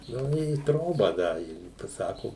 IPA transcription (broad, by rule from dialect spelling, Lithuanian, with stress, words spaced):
ˈnʊ ɪ ˈtroːbɑː ˈdɐ ɪ pɐˈsɑːkoː